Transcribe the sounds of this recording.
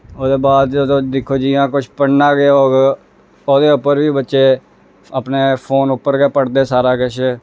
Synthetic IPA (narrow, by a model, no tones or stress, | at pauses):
oːd̪eːbaːd̪od̪õːd̪ɪkʰːoːd͡ʒiːãːkʊt͡ʃʰpəɽnaːɡeːoːɡ | oːd̪eːʊpːəɾbiːbətːʃeː | əpneːpʰoːnʊpːəɾɡeːpəɽd̪eːsaːɾaːkɪʃeː